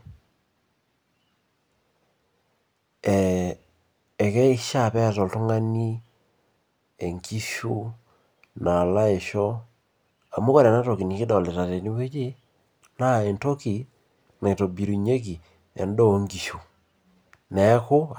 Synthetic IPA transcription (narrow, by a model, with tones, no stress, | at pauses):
ɛ˨ | kɛ˦i˦ʃa˦˨pɛ˦˨tɔ˨to˦ŋa˦ni˦ | e˨ŋki˦ʃu˦ | na˨la˦e˨ʃɔ˦ | a˨mo˦ko˦ɾɛ˨na˦to˨ki˨ni˨ke˦dɔ˨lɛ˨ta˨te˨ni˦we˦d͡ʒi˦ | na˦e˨nto˦ki˨ | na˨to˨bi˨ɾu˨ɲe˦k̬i˨ | ɛ̰˨ndo˦˨˦ŋɡi˨ʃu˨ | nɛ˨˦ko˦